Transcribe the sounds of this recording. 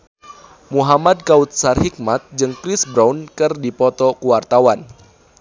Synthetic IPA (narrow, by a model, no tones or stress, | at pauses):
muɦamad̚kaut̪̚sarhik̚mat̪̚d͡ʒɨŋkɾɪsbɾawnkɨrdipɔt̪ɔkuwart̪awan